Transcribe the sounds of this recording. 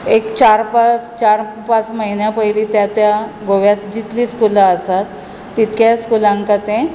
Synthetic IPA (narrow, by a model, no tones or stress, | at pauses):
ekt͡ɕaɾpat͡st͡ɕaɾ | pat͡sməɦinjapəɦiliːt̪jat̪jaɡoʋjat̪̚d͡ʑit̪liːskulaəsat̪ː | it̪kjaskulãŋkat̪ẽ